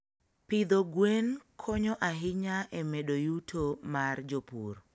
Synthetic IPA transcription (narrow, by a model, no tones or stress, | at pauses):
pɪd̪oɡwenkʰɔɲɔʔaɦɪɲaʔɛmeɗojutʰomard͡ʒopṵɾ